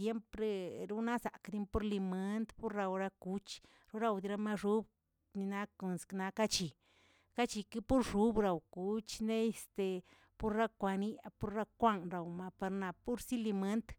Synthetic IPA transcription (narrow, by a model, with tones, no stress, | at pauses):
je˦mpɾe˦ɾu˦na˦sa̰˨kd̪i˧˦mpo˦ɾli˧me˦nd̪po˦ɾɾa˧wɾa˧ku˧t͡ʃ | ɾu˦ɾa˧wd̪i˧ɾa˧ma˦˧ʐu˦b | ni˧na˧ko˨nskna˧ka˦t͡ʃi˨ | ka˦t͡ʃi˧ki˦pu˦ɾʂu˦bɾa˨wku˨˦t͡ʃne˦e˧st̪e˨ | pu˦ɾɾa˦kʷa˧ni˦a˧pu˧˦ɾɾa˦kʷa˦˧nɾa˨wma˧pa˧ɾna˨pu˦ɾsi˦li˧me˦nt̪